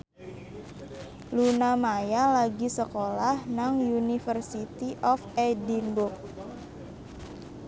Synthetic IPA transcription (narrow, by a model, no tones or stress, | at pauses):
lunamajalaɡisəkolahnaŋjunifərsit̪iʔɔfɛdinbʊk̚